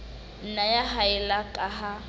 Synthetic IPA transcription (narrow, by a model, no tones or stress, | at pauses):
n̩najaɦaɪlakʼaɦa